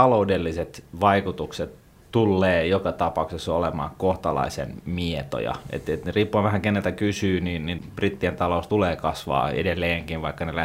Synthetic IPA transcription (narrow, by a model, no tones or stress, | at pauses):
ɑloudelːiset̪ʋɑikut̪ukset̪ | t̪ulːeːjokɑt̪ɑpɑˑuksesːɑolemɑ̰ːkoht̪ɑlɑ̰isḛnmiet̪o̰jɑ̰ḛt̪et̪neriːpːuɑʋʋæhæŋkenːelt̪ækysyːniːnnimb̥rit̪ːient̪ɑloˑust̪uleːkɑsʋɑ̰ːḛdelːeːŋkinʋɑikːɑnelæ